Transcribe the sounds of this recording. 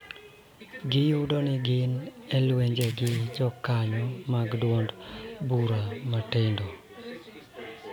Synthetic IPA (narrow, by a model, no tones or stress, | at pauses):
ɡɪjudonɪɡɪnɛlweɲd͡ʒɛɡɪd͡ʒɔkaɲɔmaɡdwɔndbuɾamatendo